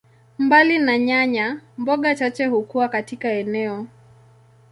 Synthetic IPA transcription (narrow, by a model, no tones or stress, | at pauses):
mbalinaɲaɲambɔɠat͡ʃat͡ʃɛhukuwakatikaɛnɛɔ